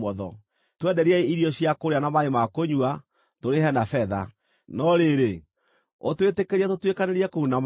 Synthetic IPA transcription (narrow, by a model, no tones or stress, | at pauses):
ɔðɔ | twɛdɛɾiɛeiɾiɔɕiakoɾeanamaɾemakoɲua | toɾeɦɛnafɛða | nɔɾeɾe | otwetekeɾiɛtotwekaneɾiɛkounam